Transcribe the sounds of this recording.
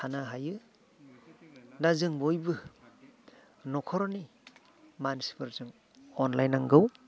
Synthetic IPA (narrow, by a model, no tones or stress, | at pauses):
tʰanaɦajɯ | nazɯŋbojbɯ | nɔkʰɔɾɔni | mansi̥pʰɯɾzɯŋ | ɔnlajnaŋɡɯw